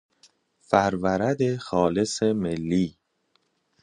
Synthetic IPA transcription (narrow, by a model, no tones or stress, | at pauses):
fæɾvæɾæd̪exɒːle̞semelːiː